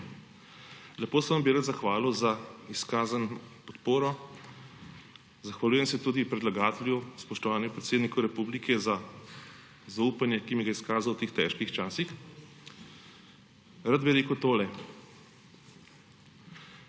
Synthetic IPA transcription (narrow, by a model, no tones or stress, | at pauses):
lɛpoːsɛʋambiɾat̪zaxʋaːluzaiskaːzanpɔt̪poːɾɔ | zaxʋalʲuːjɛmsɛt̪uːd̪ipɾɛd̪laɡaːt̪ɛlʲjuspɔʃt̪ɔʋaːnixpɾɛt̪seːd̪nikɔɾɛpublikʰɛza | zauːpanjɛkimiɡaiskaːzawt̪eːxt̪ɛ̰ːʃkixt͡ʃaːsix | ɾad̪biɾeːkəwt̪oːlɛ